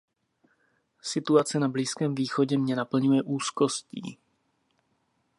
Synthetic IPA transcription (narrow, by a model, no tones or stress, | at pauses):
sɪt̪uat͡sɛnabliːskɛːmviːxo̞ɟɛmɲɛnapl̩ɲujɛʔuːsko̞scḭː